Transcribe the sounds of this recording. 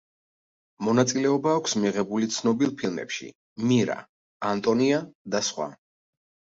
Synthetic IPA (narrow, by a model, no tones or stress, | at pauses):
mɔnat̪sʼilɛɔbaːkʷʰsmiʁɛbulit̪sʰnɔbilˠpʰilˠmɛ̰pʃḭ | miɾa̰ | ant̪ʼɔniad̪asχwa̰